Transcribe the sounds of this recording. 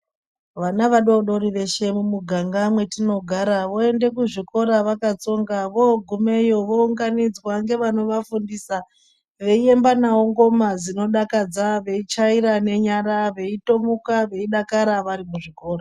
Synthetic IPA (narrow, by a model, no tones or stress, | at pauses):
ʋanaʋaɗoɗo̞ɾiʋe̞ʃe̞mumuɡʱaŋɡamwe̞tino̞ɡʱaɾaʋo̞e̞nde̞kuʐiko̞ɾaʋakat͡so̞ŋɡaʋoɡʱume̞joʋo̞uŋɡanid͡zwaŋɡe̞ʋano̞ʋafundisa | ʋe̞ie̞mbanaoŋɡo̞mad͡zino̞ɗakad͡zaʋe̞it͡ʃaiɾane̞ɲaɾaʋe̞ito̞mukaʋe̞iɗakaɾaʋaɾimuʐiko̞ːra